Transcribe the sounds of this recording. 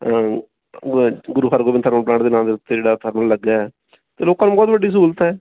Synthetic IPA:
ɡʊɾuːɦʰəɾɡoːbɪ̃nt̪ʰəɾməplãːʈd̪eːnãːld̪eːʊt̪ːed͡ʒeːɽaːt̪ʰəɾməɽləɡːaːɛ | t̪eːloːkãːnũːbɔːt̪ʋəɖiːs̬uːlt̪ɛː

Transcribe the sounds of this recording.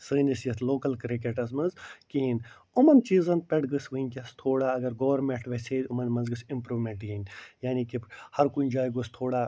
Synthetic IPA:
sɨːnisjɐt̪ʰloːkɐlkɾikeʈɐsmɐnzkiin | ʊmɐnt͡ʃiːzɐnpeʈɡɨsʋɨinʲkʲɐst̪ʰoːɽaːɐɡɐɾɡɐʋɐɾmẽɳʈʋɐseːd̪ʲʊmɐnmɐnzɡɨsɪmpɾuːmeɳʈɡinjaːnikihɐɾkuinʲd͡ʒaːjɡust̪ʰoːɽaː

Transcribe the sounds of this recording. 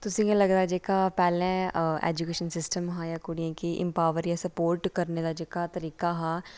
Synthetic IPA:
t̪ʊsĩːɡãləɡd̪aːd͡ʒeːkaːpɛːlɛ̃ːɛ̰ːd͡ʒukeːʃənsɪsʈəmɦãːjaːkʊɽiãːkiʔɪ̰̃mpaːʋəɾjaːsəpoːɾʈkəɾneːd̪aːd͡ʒeːkaːt̪əɾiːkaːɦãː

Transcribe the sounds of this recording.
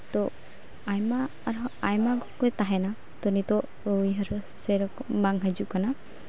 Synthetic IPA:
t̪ɔ | ajmaːɾajmaɡɔkɔt̪aɦɛna | t̪ɔnit̪ɔʔ | ɔjɦaɾɔsɛɾɔkbaŋɦad͡ʒuʔkana

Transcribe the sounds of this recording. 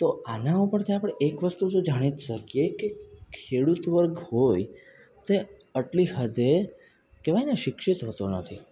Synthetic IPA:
t̪oanaõpəɳt̪ʰiapəɽ̃eʔekʋəst̪ut̪od͡ʒaɽ̃it̪ʃəkijekekʰeɽut̪ʋəɾɡhoj | t̪e | əʈlihəd̪e | keʋajneʃɪkʃit̪ɦət̪onət̪ʰi

